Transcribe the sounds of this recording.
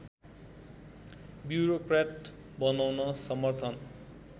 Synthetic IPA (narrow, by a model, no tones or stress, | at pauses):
bjuɾokraʈ | bʌnawnʌsʌmʌrt̪ʰʌn